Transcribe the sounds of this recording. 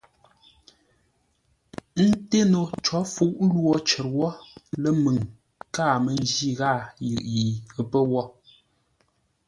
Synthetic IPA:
n̩˦te˦no˨t͡ʃɔ˨˦fu˨˦ʔlwɔ˦t͡ʃə˨t̚wɔ˦lə˦mɨ˨ŋ | kaː˦˨mə˨n˦d͡ʒi˦˨ɣa˦˨ji˨ʔji˨ə˨pə˦wɔ˦˨

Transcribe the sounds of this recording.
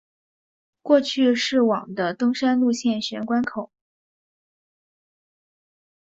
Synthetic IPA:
kwɔ˥˧t͡ɕʰy˥˧ʂɻ̩˥˩wɑ̰˨˩ŋd̪ə˦t̪ɤ˥ŋʂa˥nlu˥˧ɕjɛ˥˩nɕɥɛ˧˥nkwa˥nkʰo˨˩˦

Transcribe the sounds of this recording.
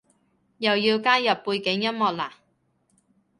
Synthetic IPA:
jɐ˨˩wjiː˧wkaː˥jɐ˨pːuː˧jkɪ˨˥ŋjɐ˥t̚mɔː˨t̚laː˨˩

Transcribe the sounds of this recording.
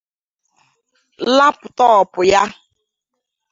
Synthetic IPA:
la˦pʊ˨tɔ˦ɔ˨pʊ˨ja˦

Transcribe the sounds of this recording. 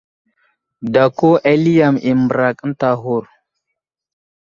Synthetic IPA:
da˨ko˦ʔe˦li˦ja˨mi˨mə˨ɾa˨kn̩˦ta˨ɦu˨ɾ

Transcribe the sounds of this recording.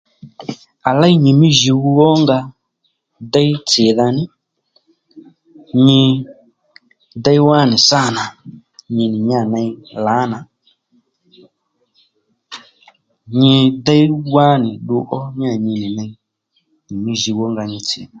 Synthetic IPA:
a˨la˦i˦ɲi˨mi˦ʒi˧wu˧wɔ˦ŋɡa˧ | da˦i˦t͡sɪ˨ða˧nɪ˦ | ɲi˧ | da˦i˦wa˦ni˨sa˦˨na˨ | ɲi˧ni˨ɲa˦˨na˧i˦la˨˦na˨ | ɲi˧da˦i˦wa˦ni˨ɗu˧ʔɔ˦ɲ˦a˦˨ɲi˧ni˨na˧i˦ | ɲi˨mi˦ʒi˧wɔ˦ŋɡa˧ɲi˧t͡sɪ̰˨ða˨

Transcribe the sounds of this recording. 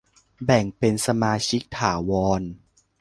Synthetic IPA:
bɛ˨˩ŋpe˧nsa˧maː˧t͡ɕʰi˦˥k̚t̪ʰaː˩˦wɔː˧n

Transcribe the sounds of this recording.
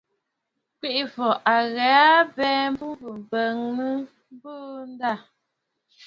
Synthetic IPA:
kwi˦˨ʔi˨fɔ˨ʔa˨ɣɛ˨˦a˦bɛː˦m˦bu˦bə˨m̩˨bə˨ŋnə˦ | m˦bəː˦n˦da˦˨

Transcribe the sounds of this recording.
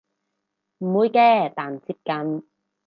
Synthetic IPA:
m̩˨˩muː˨˧jkɛː˧t̪aː˨nt͡siː˧˥p̚kɐ˨˧˥n

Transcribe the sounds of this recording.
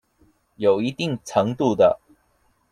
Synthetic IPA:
jo˨˩ʊi˧˦t̪i˥˩ŋt͡sʰɤ˧˥ŋt̪u˥˨d̪ə˨˩

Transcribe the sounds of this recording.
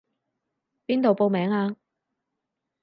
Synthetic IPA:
piː˥nt̪o˨wpo˨˧wmɛː˨˥ŋaː˧

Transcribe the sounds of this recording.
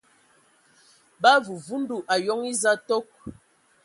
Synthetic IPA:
ba˦vu˨vu˦n̩˦du˨ʔa˨jɔ˦ŋi˦za˦tɔ˦k̚

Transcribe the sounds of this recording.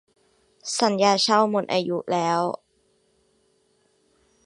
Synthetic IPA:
sa˩˦njaː˧t͡ɕʰa˥˩wmo˧nʔaː˧ju˦˥lɛː˦˥w

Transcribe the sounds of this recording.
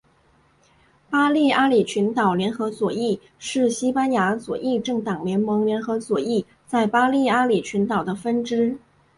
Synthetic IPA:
pa˥li˥˩a˥li˨˩t͡ɕʰy˧˥nt̪ɑ˨˩ʊljɛ˧˥nxɤ˧˥swɔ˨˩i˥˩ | ʂɻ̩˥˩ɕi˥pa˥nja˧˥swɔ˨˩ʔi˥˧ʈ͡ʂɤ˥˩ŋt̪ɑ˨˩ŋljɛ˧˥nmɤ˧˥ŋljɛ˧˥nxɤ˧˥swɔ˨˩i˥˧ | t͡sa˥˩ɪpa˥li˥˩a˥li˨˩t͡ɕʰy˧˥nt̪ɑ˨˩ʊd̪ə˦fə˥nʈ͡ʂɻ̩˥

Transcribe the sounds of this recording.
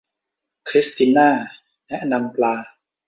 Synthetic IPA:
kʰɾi˦˥st̪iː˧naː˥˩ | lɛ˦˥ʔna˧mplaː˧

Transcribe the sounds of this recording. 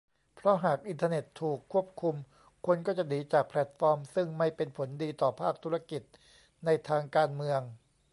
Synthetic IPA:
pʰɾɔ˦˥ɦaː˨˩k̚ʔi˧nt̪ʰa˧ne˨˩t̪ʰːuː˨˩kʰːu˥˩əp̚kʰu˧m | kʰu˧nkɔː˥˩t͡ɕa˨˩niː˨˦t͡ɕaː˨˩k̚pʰlɛ˨˩t̪̚fɔː˧msɯ˥˩ŋma˥˩jpe˧npʰo˩˦ndiː˧t̪ɔː˨˩pʰaː˥˩k̚t̪ʰu˦˥ɾa˧ki˨˩t̪̚ | na˧jt̪ʰaː˧ŋkaː˧nmɯ˧əŋ

